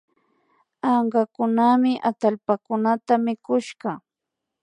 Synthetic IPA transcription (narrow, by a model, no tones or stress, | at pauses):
ɑɴɢɑkʊnamɪʔat̪alpakʊnat̪amɪkʊʃɢɑ